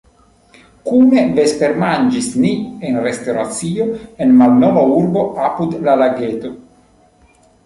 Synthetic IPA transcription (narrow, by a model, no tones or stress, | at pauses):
kumevespeɾmand͡ʒisnienrest̪oɾat̪sioenmalnɔvauɾboapud̪lalaɡet̪o